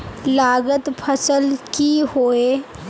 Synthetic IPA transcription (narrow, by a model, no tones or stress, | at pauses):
laːɡət̪pʰəsəlkihoːe